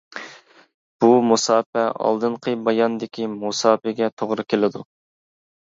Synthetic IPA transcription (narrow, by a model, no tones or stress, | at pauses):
b̥umusɑːpɛɑ̰lˠd̪ɨɴqʰəbɑjɑnd̪ɪkʲʰimusɑːpɛɡʲɛt̪ʰoʁɾɨkʲʰelɪd̪u